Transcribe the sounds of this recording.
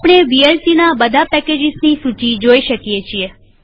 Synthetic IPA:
apɽ̃ebielsinabəd̪ʱapɛked͡ʒɪsnisut͡ʃid͡ʒoiʃəkjet͡ʃʰie

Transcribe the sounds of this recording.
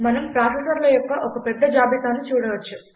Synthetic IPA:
mɐnɐmpɾaːfesɐɾlɐjɔkːɐʔokɐpɛd̪ːɐd͡ʒaːbit̪aːnːut͡ʃuːɽɐʋɐt͡ʃːu

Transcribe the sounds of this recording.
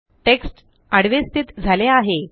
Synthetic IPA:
ʈeksʈ | əɽ̤ʋest̪ʰit̪d͡zʱaleaɦe

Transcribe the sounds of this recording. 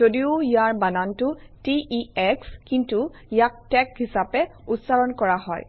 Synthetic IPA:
zodiʊijaɹbanantʊtiʔiɛkskintu | jak̚tɛkɦisapɛutsaɹɔnkɔɹaɦɔ̰j

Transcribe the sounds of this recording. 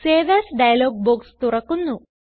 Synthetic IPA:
seːʋasɖɐjɐloːɡ̚boːkst̪uɾɐkunːu

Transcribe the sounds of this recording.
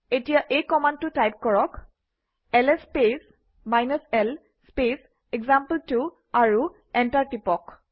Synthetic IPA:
etijaʔekɔmandtutajp̚kɔɹɔk | ɛlɛspes | majnɔsɛl | spes | ɛɡzampəltu | aɹu | ɛntaɹtipɔk

